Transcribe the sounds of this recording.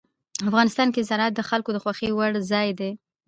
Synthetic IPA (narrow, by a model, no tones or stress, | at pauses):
afɣɑnɪst̪ɑnkezanɑt̪̚d̪əxalkod̪əxwaxiwaɽzɑjd̪e